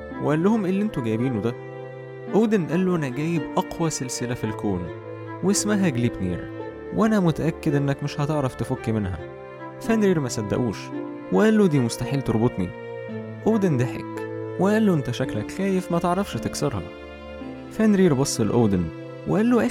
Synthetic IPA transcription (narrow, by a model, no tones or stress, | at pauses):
weʔælːohomʔelːʔent̪oɡæːbiːnod̪æ | ʔoːd̪enʔælːoʔænæɡæːjebʔɑqwæselselæfilkoːn | wesmæɦæɡlibnḭːɾ | wʔænæmot̪æʔækːed̪ʔenːækmeʃhɑt̪eʕɾˤɑft̪efokːimenɦæ̰ | fænɾiːɾmæsæd̪ːæ̰ʔuːʃ | weʔælːod̪iːmost̪aħiːlt̪oɾˤbot̪ˤnḭ | ʔoːd̪end̪æħḛkweʔælːoʔent̪æʃæklækxæːjefmæt̪eʕɾˤɑfʃht̪eksɑɾˤhɑ̰ | fænɾiːɾbɑsˤːelʔoːd̪en | weʔælːoʔæ